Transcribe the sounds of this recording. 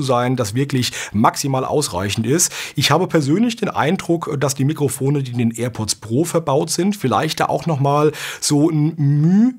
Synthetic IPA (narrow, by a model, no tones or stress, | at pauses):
uzaɪndasv̥ɪɐklɪçmaksimaːlʔa̰ʊsʁa̰ɪçn̩tɪstʔɪçhaːbəpʰɛɐzøːnlɪçd̥eːnʔa̰ɪndʁʊkd̥asd̥iːmikʁ̥ofoːnədiːndeːnʔeːɐpʰɔt͡spʁ̥oːfɛɐbaʊtz̥ɪntfɪla̰ɪçtd̥a̰ːʔa̰ʊxnɔχmaːlz̥oːn̩myː